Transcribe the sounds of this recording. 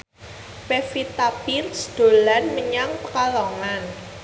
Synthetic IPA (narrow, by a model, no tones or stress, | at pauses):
pefit̪abilsd̪̥o̤lanməɲaŋpəkalɔŋan